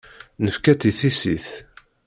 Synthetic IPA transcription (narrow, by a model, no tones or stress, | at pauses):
nəfkæt̪iθisiθ